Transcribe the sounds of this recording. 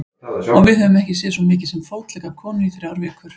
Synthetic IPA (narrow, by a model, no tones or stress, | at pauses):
ɔɣvɪðɦœvʏmɛhcɪsɛːsɔmɪːcɪ̥sɛmfoːwt̪lɛɣakʰɔːnʏiθɪɾɪaɾvɪːkʰʏɾ̥